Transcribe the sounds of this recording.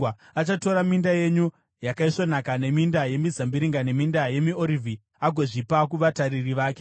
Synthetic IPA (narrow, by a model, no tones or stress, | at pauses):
at͡ʃato̞ɾamindaje̞ɲu | jakaiʂonakane̞mindaje̞mizambiɾiŋɡane̞mindaje̞mio̞ɾivʱi | aɡʱo̞ʐipak̬uʋataɾiriʋaːke